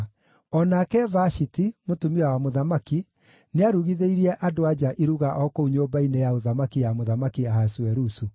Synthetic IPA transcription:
ɔnakɛvaʃitimotumiawamoðamaki | neaɾuɣiðeiɾiɛʔadoad͡ʒaʔiɾuɣaʔɔkouɲoːbainejaoðamakijamoðamakiaɦasuɛɾusu

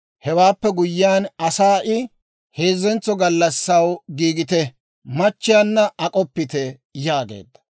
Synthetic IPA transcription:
hɛwaːpːɛɡʊjːɪjaːnɐsaːʔɪ | heːzɛnt͡sːɔɡɐlːɐsːɐwɡiːɡɪt̪ɛ | mɐt͡ʃːɪjaːnːɐʔɐkʼɔpːɪt̪ɛ | jaːɡḛːd̪ːɐ̥

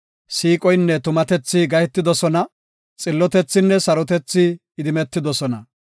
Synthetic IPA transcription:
siːkʼɔjnːɛt̪ʊmɐt̪ɛt͡sːɪɡɐjɛt̪ːɪd̪ɔsɔnɐ | t͡sʼɪlːɔt̪ɛt͡sːɪnːɛsɐɾɔt̪ɛt͡sːɪː | d̪ɪmɛt̪ːɪd̪ɔsɔnɐ

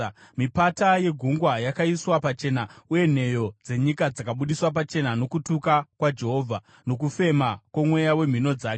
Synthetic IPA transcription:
mipataje̞ɡʱuŋɡwajakaiswapat͡ʃe̞nauje̞n̤e̞jo̞d͡ze̞ɲikad͡zakaɓuɗiswap̬at͡ʃe̞nano̞kutukakwad͡ʒe̞ɦo̞ːvʱa | no̞k̬ufe̞makwomwe̞jawe̞m̤ino̞d͡zaːk

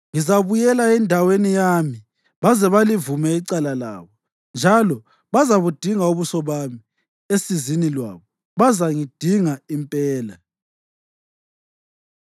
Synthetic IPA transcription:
ŋizaβujɛlaɛndʱawenijami | βazɛβalivumɛiǀalala̰ːβɔ | nd͡ʒʱalɔ | βazaβud̥ʱiŋauβusɔβami | esizinilwa̰ːβɔ | βazaŋid̥ʱiŋaimpʼɛːla̰

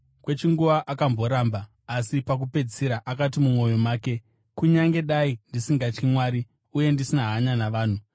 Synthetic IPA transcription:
kwe̞t͡ʃiŋɡuʋaʔakambo̞ɾaːmbaː | sipak̬upe̞d͡ziɾaʔakat̬imumwo̞jo̞maːke̞ | kuɲaŋɡe̞ɗaindisiŋɡat͡ʃkimwaːɾi | uje̞ndisinaɦaɲanaʋaːn̤u

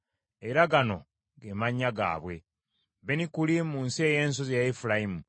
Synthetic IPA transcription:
eɾaɡano̞ | ɡemaɲːaɡa̰ːβwe̞ | benikulimuːnsieje̞ːns̬ozjaifulajimu

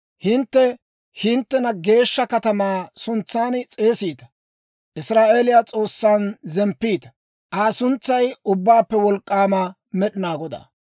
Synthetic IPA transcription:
hɪnt̪ːɛ | hɪnt̪ːɛnɐɡe̞ːʃːɐkɐt̪ɐmaːsʊnt͡sːaːnt͡sʼe̞ːsiːt̪ɐ̥ | ʔɪsɾaːʔe̞ːlɪjat͡sʼo̞ːsːanzɛmpːiːt̪ɐ̥ | ʔaːsʊnt͡sːɐjʊbːaːpːɛwɔlkʼːaːmɐ | mɛɗɪnaːɡɔd̪a̰ː

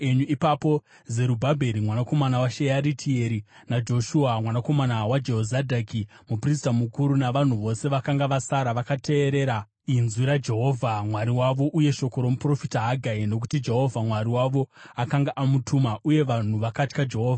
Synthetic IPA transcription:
eɲuipapo̞ | ze̞ɾubʱabʱe̞ɾimwanako̞manawaʃejaɾitʰieɾi | nad͡ʒo̞ʃuamwanako̞manawad͡ʒe̞ɦozadʱaki | mupris̬tamukuɾunaʋan̤uʋo̞se̞ʋakaŋɡaʋasaɾaʋakatʰe̞ːɾe̞ɾa | inzwiɾad͡ʒe̞ɦo̞vʱamwaɾiwaʋo̞ʔuje̞ʃo̞ko̞ɾomupro̞fitaɦaɡʱaino̞k̬u̥tid͡ʒe̞ɦo̞vʱamwaɾiwaʋo̞akaŋɡaʔamutʰumaʔuje̞ʋan̤uʋakatkad͡ʒe̞ɦo̞ːvʱa

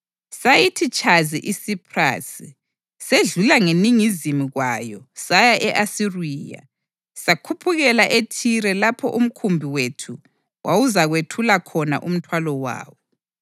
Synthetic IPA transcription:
sajitʰit͡ʃʼʰazḭʔisipʰra̰si | seɮulaŋeniŋizimiɣwajɔsajaʔɛʔasiriːja̰ | sakʰupʰuɣɛlaʔetʰiɾɛlapʰɔ̰ʔum̩kʰumbʱiwetʰu | wawuzaɣwetʰulakʰɔna̰ʔum̩tʰwalɔwa̰ːwɔ

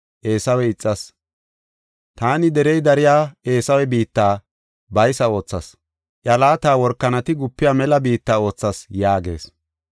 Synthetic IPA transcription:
ʔe̞ːsɐwɛɪt͡sʼːɐs | t̪aːnɪd̪ɛɾɛjd̪ɐɾɪjaːe̞ːsɐwɛbiːt̪ːaː | bɐjsɐo̞ːt͡sːɐs | ʔjɐlaːt̪aːwɔɾkːɐnɐt̪ɪɡʊpːɪjaːmɛlɐbiːt̪ːaːo̞ːt͡sːɐsjaːɡe̞̰ːs

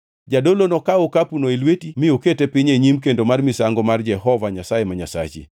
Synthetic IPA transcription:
d͡ʒadolonɔkaokapunoelwetimɪoketepɪɲeɲimkendomarmɪsaŋɡɔmard͡ʒɛhɔvaɲasajemaɲasa̰t͡ʃɪ̰

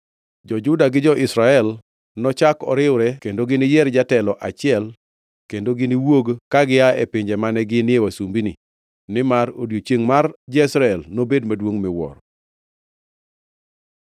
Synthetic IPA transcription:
d͡ʒɔd͡ʒʊdaɡɪd͡ʒɔʔɪsɾaɛl | nɔt͡ʃakɔ̰ɾɪwʊɾɛkendoɡɪnɪjɛɾd͡ʒatɛlɔʔat͡ʃɪɛl | kendoɡɪnɪwoɡkaɡɪaɛpɪɲd͡ʒɛmanɛɡɪnɪewasumbini | nɪmaɾodjot͡ʃjeŋmard͡ʒɛsɾaɛlnobedmadwoŋmɪwɔ̰ɾ

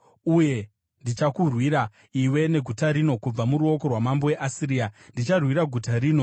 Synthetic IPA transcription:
uje̞ | ndit͡ʃakurwiɾa | iwe̞ne̞ɡʱutaɾino̞kub͡vamuɾuo̞ko̞rwamambo̞we̞ʔasiɾiːandit͡ʃarwiɾaɡʱutaɾiːno̞

